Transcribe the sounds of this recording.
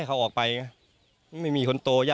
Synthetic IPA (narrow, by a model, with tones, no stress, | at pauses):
a˥˩jkʰa˧˥wʔɔː˨˩k̚pa˧jŋa˦˥˩ | ma˦ma˥˩jmiː˧kʰo˧nt̪oː˧jaː˥˩